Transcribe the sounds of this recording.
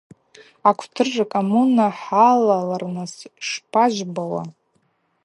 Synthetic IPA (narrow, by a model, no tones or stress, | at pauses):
akʷʰtʰɨrʐakʼomunaħalalarnɨsʂpʰaʒʷbawa̰